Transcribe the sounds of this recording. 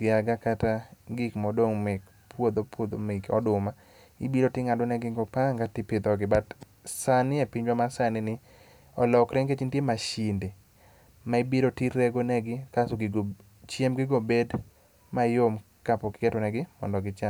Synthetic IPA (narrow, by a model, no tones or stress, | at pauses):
ɡɪaɡakataɡɪkmɔdoŋmɪk | pwod̪opwod̪omɪkɔ̰dʊma | ibiɾotɪŋadonɛɡɪŋɡopaŋɡatɪpɪd̪ɔɡɪbat | sanɪepiɲd͡ʒwamasanɪnɪ | ɔlɔkɾɛŋket͡ʃintjemaʃinde | maibiɾotieɡonɛɡɪkasoɡɪɡo | t͡ʃjemɡɪɡobed | majom | kapɔkɪ̥kɛtɔnɛɡɪmɔ̰ndɔɡɪt͡ʃa